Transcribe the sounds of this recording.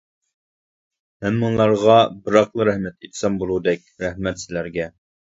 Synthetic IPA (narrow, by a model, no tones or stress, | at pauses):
hæmːɨŋlˠɑɾʁɑbɨɾɑqlˠɨɾɛhmɛt̪et̪ʰsɛmbolˠud̪ɛkʲɾɛhmɛt̪sɪlæɾɡʲɛ